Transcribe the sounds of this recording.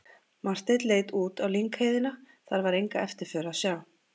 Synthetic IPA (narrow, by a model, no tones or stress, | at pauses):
mar̥t̪et̪leːjt̪uːt̪awliŋkheːjðɪna | θaɾvaɾejŋka̰ʔɛft̪ɪɾ̥fœːɾasjaːw